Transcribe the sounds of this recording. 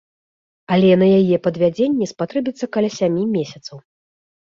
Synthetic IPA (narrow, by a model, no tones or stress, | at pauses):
alʲɛnɐjajɛpɐd̪vʲad͡zʲenʲːɛspat̪ɾɛbʲit̪sːɐkɐlʲasʲamʲimʲesʲɐt̪sɐw